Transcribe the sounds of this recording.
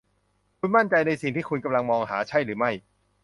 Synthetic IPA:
kʰu˧nma˥˩nt͡ɕa˧jna˧jsi˨˩ŋt̪ʰiː˥˩kʰu˧nka˧mla˧ŋmɔː˧ŋɦaː˩˦t͡ɕʰa˥˩jɾɯː˩˦ma˥˩j

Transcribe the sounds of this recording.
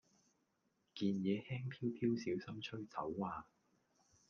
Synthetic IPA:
kiː˧njɛː˨˧hɛː˥ŋpʰiː˥wpʰiː˥wsiː˨˥wsɐ˥mt͡ʃʰɵ˥ɥt͡sɐ̰˨˥wːaː˧

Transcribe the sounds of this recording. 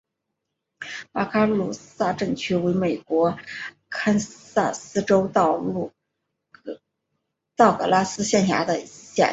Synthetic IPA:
pa˥kʰa˥lu˨˩sa˥˧ʈ͡ʂɤ˥˩ŋt͡ɕʰy˥we˧˥ɪme˨˩ɪkwɔ˧˥ | kʰa˥nsa˥˩sɹ̩˥ʈ͡ʂo˥ʊt̪ɑ˥˧ʊu˥˩ | t̪ɑ˥˩ʊkɤ̰˨˩la˥sɹ̩˥ɕjɛ˥˩nɕja̰˧˥d̪ə˧ɕjɛ̰˥˩

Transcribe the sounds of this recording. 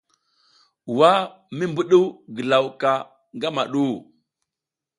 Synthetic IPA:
wa˦ | mi˦mbu˦ɗu˦wɡə˨la˨wka˨ | ŋɡa˦ma̰˨ɗu˦

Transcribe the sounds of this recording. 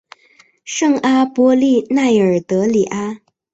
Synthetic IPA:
ʂɤ˥˧ŋa˥pwɔ˥li˥˧na˥˩ɪə˞˨˩t̪ɤ˧˥li˨˩ʔa˥

